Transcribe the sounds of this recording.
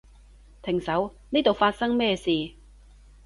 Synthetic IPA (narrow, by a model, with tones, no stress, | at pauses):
t̪ʰɪ˨˩ŋsɐ˨˥wniː˥t̪o˨wfaː˧t̚sɐ˥ŋmɛː˥siː˨